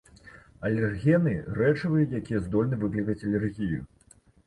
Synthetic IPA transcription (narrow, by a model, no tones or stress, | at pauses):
ɐlʲɛrɣʲɛnɨrɛt͡ʂɐvɐjut̪jakʲijɛzd̪ɔlʲnɨvɨklʲikɐt͡sʲɐlʲɛrɣʲijṵ